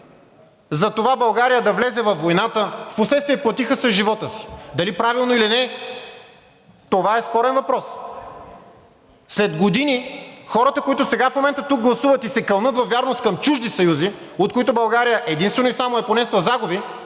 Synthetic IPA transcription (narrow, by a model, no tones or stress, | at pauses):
zɐt̪ovabɐlˠɡaɾijəd̪ɐvlɛzɛvɐfːojnat̪əfposlɛt̪st̪viɛplˠɐt̪ixəsɐʒivɔt̪əsi̥d̪ɐlipɾavilˠnoilinɛ | t̪ovaɛspɔɾɛnvɐpɾɔs | slɛd̪ɡod̪inixɔɾət̪əkoit̪ʊsɛɡafmomɛnt̪ət̪uk̚ɡlˠɐsuvət̪isɛkɐlˠnɤt̪vɐvjaɾnost̪kɐmt͡ʃuʒd̪isɐjuzi | ot̪̚kʊit̪ʊbɐlˠɡaɾijəʔɛd̪inst̪vɛnoʊisamoɛponɛslˠɐzaɡʊbi